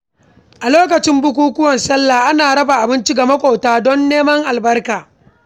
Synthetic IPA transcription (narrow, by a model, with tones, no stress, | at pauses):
ʔa˨loː˦k̬ɐ˨t͡ʃɪ˦mbʊ˦kʷuː˦kʷʊ˦wɐ˨nsɐ˦lːaː˨ʔa˦naː˨ɽɐ˦ba˨ʔa˨bɪ˦nt͡ʃi˦ɡa˨mɐ˦kʷʼoː˨taː˦dɔ˦nːeː˦mɐ˦ŋʔa˨lbɐ˦rkaː˨